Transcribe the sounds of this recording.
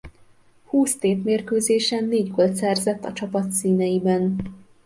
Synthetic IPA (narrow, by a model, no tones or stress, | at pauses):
huːst̪eːt̪meːrkøːzeːʃɛnːeːɟɡolt̪sɛrzɛt̪ːɒt͡ʃɒpɒt̪siːnɛjibɛn